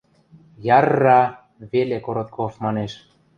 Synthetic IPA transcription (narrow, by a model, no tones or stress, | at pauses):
jɑrːɑ | βelekoɾot̪̚kʰofmɑneʃ